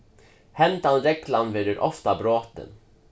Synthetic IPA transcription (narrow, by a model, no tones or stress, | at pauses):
hɛnt̪anɾɛkʰland̪vɛd̪əɾʔɔ̰ft̪abɾoːt̪ə̰n